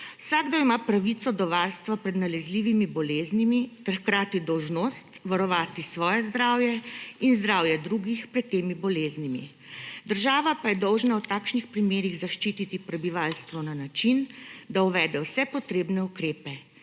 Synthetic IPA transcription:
wsaːɡd̪ɔimapɾaʋit̪sɔd̪ɔʋaɾst̪ʋapɾɛd̪nalɛzliːʋimibɔleːznimit̪ɛɾxkɾaːt̪id̪ɔwʒnoːst̪ʋaɾɔʋaːt̪isʋɔːjɛzd̪ɾaːwjɛinzd̪ɾaːwjɛd̪ɾuːɡixpɾɛt̪ːeːmibɔleːznimḭ | d̪əɾʒaːʋapajɛd̪ɔwʒnawt̪aːkʃnixpɾimeːɾiɣzaʃt͡ʃiːt̪it̪ipɾɛbiʋaːlst̪ʋɔnanat͡ʃind̪auʋɛːd̪ɛwsɛpɔt̪ɾeːbnɛukɾeːpɛ

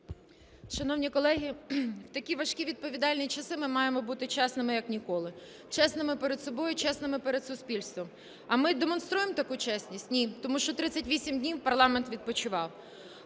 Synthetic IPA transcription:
ʃɐnɔwnʲikɔlˠɛɦʲiwt̪ɐkʲiʋɐʃkʲiʋʲid̪̚pɔʋʲid̪ɑlʲnʲijit͡ʃɐsɪmɪmɑjemɔbut̪ɪt͡ʃɛsnɪmɪjɐknʲikɔlˠɪ | t͡ʃɛsnɪmɪpeɾed̪sɔbɔjʊt͡ʃɛsnɪmɪpeɾed̪sʊspʲilʲst̪ʋɔm | ɐmɪd̪emɔnst̪ɾujemt̪ɐkut͡ʃɛsʲnʲisʲtʲnʲit̪ɔmuʃt͡ʃɔt̪ɾɪsʲːɐtʲʋʲisʲimdʲnʲiwpɐrlˠɑment̪ʋʲid̪̚pɔt͡ʃʊʋɑw

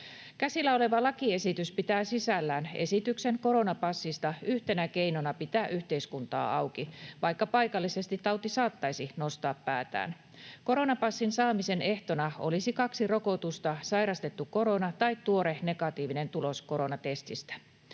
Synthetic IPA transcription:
kæsilːæo̞le̞ʋɑlɑkie̞sit̪yspit̪æːsisælːæːne̞̰sit̪ykse̞ŋko̞ɾo̞nɑpɑsːist̪ɑyht̪e̞næke̞inonɑpit̪æʔyht̪e̞iskunt̪ɑ̰ːɑwkiʋɑjkːɑpɑjkɑlːise̞st̪it̪ːɑwt̪isɑːt̪ːɑjsino̞st̪ɑːppæːt̪æ̰ːn | ko̞ɾo̞nɑpɑsːinsɑːmise̞ne̞ht̪o̞nɑo̞̰lisikɑksiro̞ko̞t̪ust̪ɑsɑjɾɑst̪e̞t̪ːuko̞ɾo̞nɑt̪ɑit̪t̪ːuo̞ɾene̞kɑt̪iːʋine̞nt̪ulo̞sko̞ɾo̞nɑt̪e̞st̪ist̪æ̥

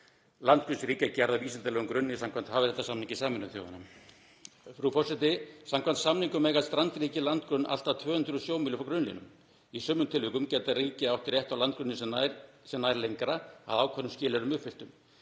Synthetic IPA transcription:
lant̪̚kɾʏnsɾiːcacaɾðaviːsɛnt̪alɛːɣʏmkɾʏnːɪsam̥kʰvant̪haːvɪθɛht̪asamniŋcɪsaːmɛnːʏmθjo̰ːwðanːa | fɾufɔrsɛt̪ɪsamkʰvant̪samniŋkʏmɛːjɣast̪ɾant̪ɾiːcɪlant̪kɾʏnʔa̰l̥t̪at̪ʰvœːhʏnd̪ɾʏsjoːwmilʏfakɾʏnlḭnʏ̰m | isœːmnʏmt̪ʰɪlvʏkʏmcɛt̪ariːcɪawht̪ɾjɛht̪awlant̪̚kɾʏnːɪsɛaɾ | sɛmnajɾlejŋkɾaa̰ðaːwkʰvɛnːʏmscɪːlɛɾʏmʏpfɪl̥t̪ʏm

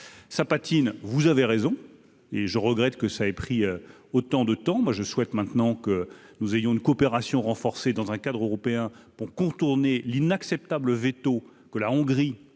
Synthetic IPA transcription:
sapat̪invuzaveʁezɔ̃ | eʒəʁəɡʁɛt̪kəsaɛpχiø | ot̪ɑ̃d̪ət̪ɑ̃mwaʒəswɛt̪mɛ̃t̪nɑ̃kənuzejɔ̃ynkɔːpeʁasjɔ̃ʁɑ̃fɔʁsed̪ɑ̃zɛ̃kad̪ʁøʁɔpeɛ̃puʁkɔ̃t̪uʁnelinaksɛp̚t̪abləvet̪o | kəlaɔ̃ɡʁi

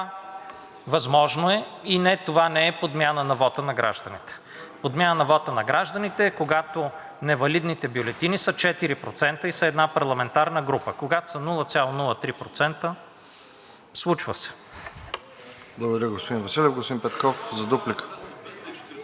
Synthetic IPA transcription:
vɐzmɔʒnoɛinɛt̪ovanɛɛpod̪mʲjanənɐvɔt̪ənɐɡɾʔa̰ʒd̪ɐnit̪ɛ̥ | pod̪mʲjanənɐvɔt̪ənɐɡɾaʒd̪ənit̪ɛːkoɡat̪o | nɛvɐlid̪nit̪ɛbjolɛt̪inisət͡ʃɛt̪iɾipɾot̪sɛnt̪əisɐɛd̪napɐɾlˠɐmɛnt̪aɾnəɡɾupəkoɡat̪o̥sɐnulˠət̪sʲjalˠonulˠət̪ɾipɾot̪sɛnt̪ə | slˠut͡ʃvəsɛ̥ | blˠɐɡod̪ɐɾʲəɡospod̪invɐsilʲɛvɡostoĩnpɛt̪kɔfzɐd̪uplik

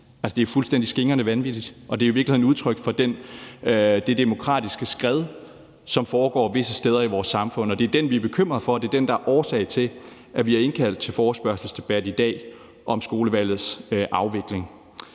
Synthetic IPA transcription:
ælsə̥d̥e̝fulsd̥en̰d̥isɡ̥e̝ŋɐnəʋænʋid̥id̥ʔɒ̽d̥e̝ɐiʋiɐɡlihenuð̞ˠt͡sʰʁœɡ̥fɒ̽d̥en | d̥e̝d̥e̝mo̝kʰʁɑ̰̈ːd̥isɡ̥əsɡ̥ʁɛð̞ˠ | sɒ̽mfɒːɡ̥ɒ̰ːʋe̝səsd̥eːð̞ˠɐiʋɒːsːɑ̈mfɔ̽n̰ɒ̽d̥e̝ɐd̥enʋiæɐb̥e̝kʰøm̰ʁɐðˠfɒ̽d̥e̝ɐd̥end̥ɑæɐʔɒːsɛ̰ɪt͡sʰe̝l | ʔæʋiæɐe̝nkʰæl̰d̥̚t͡sʰe̝lfɒːsb̥ɶɐsl̩sd̥e̝b̥æd̥id̥ɛ̰ː | ʔɒ̽msɡ̥o̝ːləʋæl̰ð̩ˠsʔɑ̈ʊʋe̝ɡ̥le̝ŋ

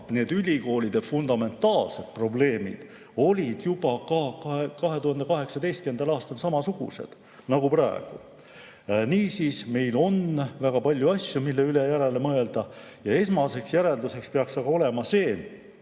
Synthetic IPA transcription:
ne̞ːd̪ylʲiko̞ːlʲid̪̥e̞fund̪ɑme̞nt̪ˑːɑːlse̞d̪̥pro̞ble̞ːmḭd̪̥ | o̞lʲid̪̥jubɑkɑkɑekɑɦe̞t̪uhɑnd̪e̞kɑɦe̞ksɑd̪e̞jst̪̚kymend̪ɑlɑːst̪ɑlsɑmɑsuɡ̥ṵse̞̰d̪̥ | nɑɡ̥upɾɑḛɡ̥u | niːsiːsme̞jlo̞nvæɡ̥ɑpɑlʲjuɑsʲjumilːe̞yle̞jæɾe̞le̞mɤe̞ld̪̥ɑ | jɑe̞smɑse̞ksjæɾe̞ld̪use̞kspeɑksɑɡ̥ɑo̞le̞mɑse̞ːn

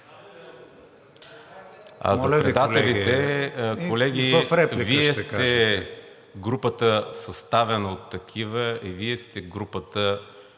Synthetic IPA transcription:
a̰zɐpɾɛd̪alɛlit̪ɛkolɛɡ̟iəfɾɛpliviɛst̪ɛ | ɡɾupət̪əsɐst̪avɛnəot̪ːɐk̟ʰivəiviɛst̪ɛɡɾupət̪ə

